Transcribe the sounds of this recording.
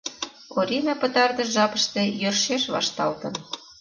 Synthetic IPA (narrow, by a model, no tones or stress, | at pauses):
oɾʲinɑpə̆t̪ɑrd̪ə̆ʒɑpə̆ʃt̪ĕjørʃeʃβɑ̰ʃt̪ɑlt̪ə̆n